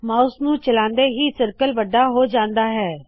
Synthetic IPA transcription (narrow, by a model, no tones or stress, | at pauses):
mãːʊsnũːt͡ʃəlãːnd̪eːɦiːsəɾkəlʋəɖːaːɦoːd͡ʒãːnd̪aːɦɛː